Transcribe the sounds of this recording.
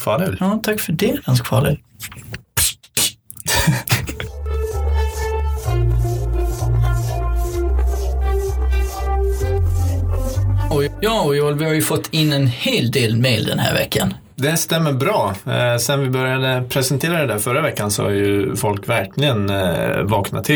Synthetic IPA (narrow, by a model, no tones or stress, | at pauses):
fɑːlɛjɑːt̪ʰakːfœɖɛɡanskfɑ̰ːlɛ̰l | ɔjɑːɔjoɛlvɪhaɾjɵfɔt̪ʰːɪnːɛnheːld̪eːlmejld̪ɛ̰nhæ̰ːɾvɛ̰kʰːan | d̪ɛst̪ɛmːəbɾɑːsɛnvɪbœɾjad̪əpʰɾɛsɛnt̪ʰeːɾad̪ɛd̪æːɾfœɾavɛkːansɔ̰ha̰ɾjɵfɔlkvæɾkʰlɪɡənvɑːknat̪ʰːɪ